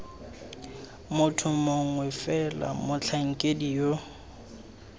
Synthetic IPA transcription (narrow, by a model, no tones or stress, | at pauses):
mʊtʰʊmoŋ̩wɛfɛla̰mʊt͡ɬʰaŋ̩kʼedijo